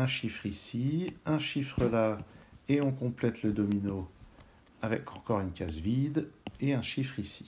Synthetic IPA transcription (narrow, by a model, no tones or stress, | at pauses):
ɛ̃ʃifχisiɛ̃ʃifχəlaeɔ̃kɔ̃plɛt̪ləd̪ɔmino | avɛ̰kʰɑ̃kɔʁynkʲazvid̪eɛ̃ʃifχisi̥